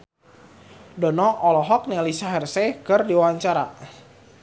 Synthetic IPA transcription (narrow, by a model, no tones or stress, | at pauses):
dɔnɔʔɔlɔɦɔk̚nɛlisaɦɛrsekɨrdiwawaɲt͡ʃaɾa